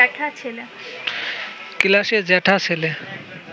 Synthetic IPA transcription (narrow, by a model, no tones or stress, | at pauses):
ɛʈʰat͡ɕʰele | kilaʃed͡ʑɛʈʰat͡ɕʰele